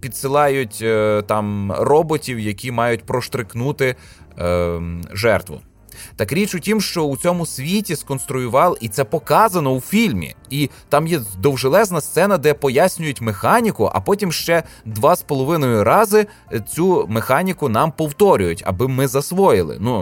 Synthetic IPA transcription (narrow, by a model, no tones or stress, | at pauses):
pʲid̪sɪlˠɑjʊtʲt̪ɑmrɔbɔtʲiwjɐkʲimɑjʊtʲpɾɔʃt̪ɾɪxnut̪ɪ | ʒɛrt̪ʋʊ̰ | t̪ɐkɾʲit͡ʃʊtʲimʃt͡ʃɔut͡sʲɔmʊsʲʋʲitʲiskɔnst̪ɾʊjʊʋɑlˠit̪sɛpɔkɑzɐnɔwfʲilʲmʲḭi | t̪ɑmjɛd̪ɔwʒelˠɛznɐst̪sɛnɐd̪ɛpɔjasʲnʲʊjʊtʲmexɑnʲikʊʔɐ̰pɔtʲimʃt͡ʃɛd̪ʋɑspɔlˠɔʋɪnɔjʊɾɑzɪ | t͡sʲumexɑnʲikʊnɑmpɔwt̪ɔɾʲʊjʊtʲɐ̰bɪmɪzɐsʋɔjɪlˠɪ̰nu